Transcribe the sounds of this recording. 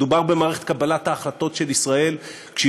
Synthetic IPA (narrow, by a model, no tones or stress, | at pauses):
dubaʁbemaːʁe̞χet̪̚kabalat̪haːχlat̪o̞tʃe̞lisʁae̞l | kʃe